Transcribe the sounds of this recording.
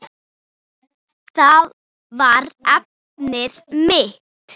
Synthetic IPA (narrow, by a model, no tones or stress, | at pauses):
θað | vaɾɛp̚ | nɪðmɪ | t̪